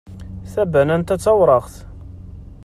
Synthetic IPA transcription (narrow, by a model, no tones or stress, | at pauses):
θæbænænt̪æt͡sːæwɾˤəʁθ